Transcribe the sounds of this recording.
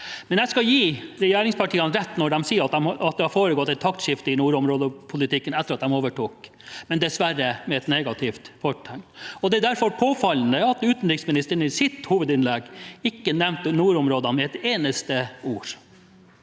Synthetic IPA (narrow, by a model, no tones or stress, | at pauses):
mɛnjæskɑjiːɾɛjæːɾɪŋspʰɑʈʰiːɑnɾɛt̪ːnɔɖɛmsiːəɾɑt̪d̪ɛmɑt̪̚d̪ɛhɑɾfoːɾəɡɔt̪ːɛt̪ʰɑkt̪ʃɪft̪əɪnuːɾɔmɾoːd̪əpʰʊlɪt̪ɪkːənɛt̪ːəɾɑt̪̚d̪ɛmoːʋəʈuːk | mɛnd̪ɛsʋæɾəmɛɛt̪neːɡɑt̪ʰɪft̪fʰɔʈʰːɛŋt̪ɔd̪ɛd̪æɾfɔɾpʰoːfɑln̩əɑt̪ʉːt̪n̩ɾɪksmɪnɪst̪əɾəɳ̩ɪsɪt̪huːʋəd̪ɪnlɛɡɪkːənɛmnt̪ənuːɾɔmɾoːd̪ɑnmɛɛt̪eːnəst̪əuːɾ